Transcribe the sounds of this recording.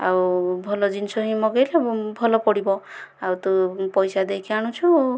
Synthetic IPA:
a̰wbʱɔlɔd͡ʒinsɔɦĩmɔɡejlebʱɔlɔpɔɽibɔawt̪upɔjsad̪ekʰiaɽ̃ũt͡ʃʰu

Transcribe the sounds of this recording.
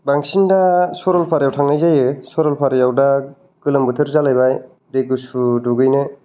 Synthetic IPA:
baŋsindasɔɾɔlpʰaɾjawtʰaŋajzajɯsɔɾɔlpʰaɾjawda | ɡ̥ɯlɯmbɯtʰeɾzalajbaj | deɡɯsuduɡɯjnɯ

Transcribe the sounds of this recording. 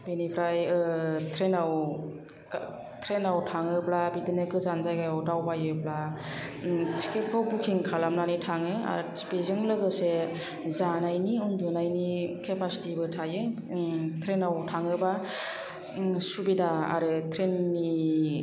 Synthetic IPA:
benipʰɾajɯtʰɾenaw | tʰɾenawtʰaŋɯblabidɯnɯkʰɯzanzajɡajawdawbajɯbla | tʰi̥ket̚kʰawbukʰiŋkʰalamnanitʰaŋɯa̰ɾ | bezɯŋlɯɡɯse | zanajniundunajnikʰepʰasi̥tibɯtʰajɯ | tʰɾenawtʰaŋɯba | subidaa̰ɾɯtʰɾenːi

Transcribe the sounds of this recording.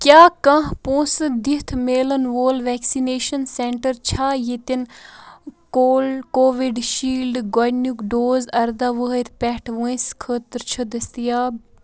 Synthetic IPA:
kʲjaːkɐ̃ɦpõːsɨd̪it̪ʰmeːlənʋoːlʋɛːksineːʃənseɳʈəɾt͡ʃʰaːjit̪in | koːlkoːʋiɖʃiːlɖɡojnukɖoːzɐɾd̪aʋəɦəɾʲpɛːʈʰʋəĩskʰəːt̪ɾt͡ʃʰəd̪ɐst̪ijaːb

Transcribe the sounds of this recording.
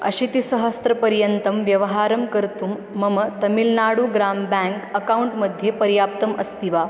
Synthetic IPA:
ɐ̰ɕit̪isɐɦəst̪ɾɐpɐɾjənt̪ɐmʋjɐʋɐɦaːɾɐmkəɾt̪uːmːɐmət̪ɐmilnaɽuːɡɾaːmbɛ̃ŋkɐkauɳʈməd̪ʱjepɐɾjaːp̚t̪ɐmɐst̪iʋa

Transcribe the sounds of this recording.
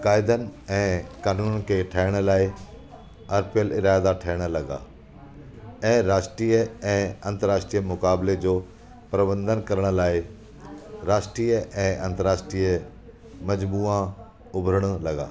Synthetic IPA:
kaːɪd̪ənɪ̆ɛ̃ːkaːnuːnnkʰeʈʰaɪɽ̃ə̆laːɪ | ɐɾpjəlɪɾaːd̪aʈʰɐɦɪɽ̃ə̆lɐɡa̰ː | ɛ̃ːɾaːʃʈɾiːəɛ̃ːɐ̃nt̪əɾaːʃʈɾiːəmʊkaːbled͡ʑoː | pɾɐbə̃nd̪ənkɐɾəɽ̃̆laːɪ | ɾaːʃʈɾiːəʔɛ̃ːʔɐ̃nt̪əɾaːʃʈɾiːə | mɐd͡ʑbuːã | ʊbʱɾəɽ̃lɐɡa̰ː

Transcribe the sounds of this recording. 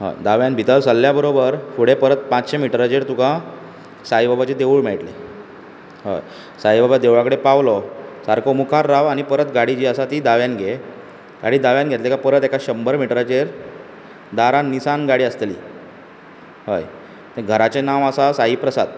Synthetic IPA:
ɦo̰jd̪aʋjãnbʱit̪əɾsəlːjabəɾobəɾfuɽ̤epəɾət̪̚pãt͡sɕemiʈɾad͡ʑeɾt̪ukã | saibabat͡ɕed̪eʋuɭmeɭʈlḛ | ɦo̰j | saibabad̪eʋɭãkəɽepaʋlɔsaɾkʰomukʰaɾːaʋañipəɾət̪ɡaɽid͡ʑiːəsat̪iːd̪aʋjanɡʱe | ɡ̥aɽiːd̪aʋjanɡʱet̪let̪ekapəɾət̪ekaɕəmbəɾmiʈɾad͡ʑeɾ | d̪aɾanːisanɡaɽiːəst̪lḭː | ɦo̰j | t̪əɡʱəɾat͡ɕenaʋəsasaɦiːpɾəsad̪

